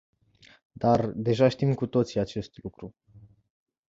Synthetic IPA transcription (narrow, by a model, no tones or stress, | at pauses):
d̪ard̪e̞ʒaʃt̪imkut̪o̞t̪siat͡ʃe̞st̪lukɾu